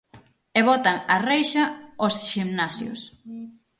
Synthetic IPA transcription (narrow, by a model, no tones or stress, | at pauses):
eβɔt̪aŋarejʃɐosʃimnasjʊ̰s